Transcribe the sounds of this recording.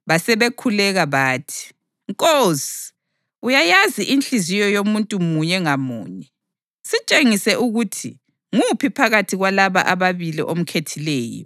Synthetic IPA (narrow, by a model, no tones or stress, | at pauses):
βasɛβekʰulɛɣaβaːtʰi̥ | ŋkʼozi̥ | ujajaziʔint͡ɬʼizijɔjomuntʼumuɲɛŋamṵːɲɛ | sit͡ʃʼeŋisɛʔuɣutʰḭ | ŋupʰipʰaɣatʰiɣwalaβa̰ʔaβaβilḭʔom̩kʰetʰilɛːjɔ̰